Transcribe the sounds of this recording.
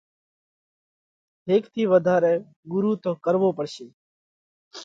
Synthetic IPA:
ɦeːkt̪ʰiːʋəd̪ʱaːɾɛː | ɡʊɾuːt̪õːkəɾʋoːpəɽʃeː

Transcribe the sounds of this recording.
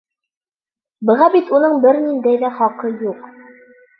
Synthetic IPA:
bɤ̆ʁɑbit̪unɤɴbɘɾnind̪æjðæχɒqɤjuq

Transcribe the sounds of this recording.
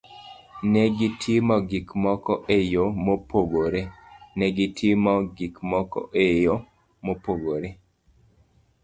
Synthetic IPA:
nɛɡitʰɪmɔɡikmɔkɔʔejomopʰoɡoɾenɛɡitʰimɔɡikmɔkɔ̰ʔejo | mopoɡoɾe

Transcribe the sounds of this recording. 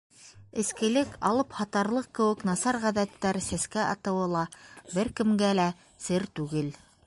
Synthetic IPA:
ɘ̆skɘ̆lɘkʰɑlˠɤphɑt̪ɑɾlˠɤq̚kːɘ̆wɘ̆knɑsɑɾʁæðæt̪ːæɾsæskæʔɑ̰t̪ɤ̆wɤlˠɑbɘɾkɘ̆mɡælæ | sɘɾt̪ʉɡɘl

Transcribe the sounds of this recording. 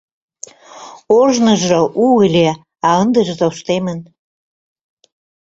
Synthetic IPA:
oʒnəʒoʔuəlʲe | ɑənd̪əʒt̪oʃt̪emən

